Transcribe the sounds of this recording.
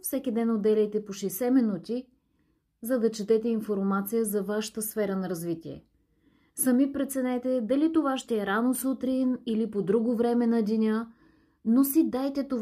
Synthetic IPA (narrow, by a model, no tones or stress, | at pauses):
fsɛkʲid̪ɛnod̪ɛlʲɛjt̪ɛpoʃɛsɛminut̪i | zɐd̪ɐt͡ʃɛt̪ɛt̪ɛinfoɾmat̪sijəzɐvaʃə̥t̪əsfɛɾənɐɾɐzvit̪ʲiɛ̰ | sɐmipɾɛt̪sɛnɛt̪ɛd̪ɐlit̪ovaʃt̪ɛɛɾanosut̪ɾinilipod̪ɾuɡovɾɛmɛnɐd̪ʲinʲə | nosid̪ajt̪ɛt̪ov